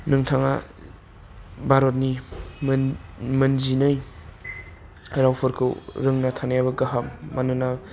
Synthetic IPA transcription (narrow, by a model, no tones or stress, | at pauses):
nɯŋtʰaŋa̰ | baɾot̚nimmɯnzinɯj | ɾawpʰɯɾkʰɯ̰wɾɯŋnatʰanajabɐɡaɦammanɯna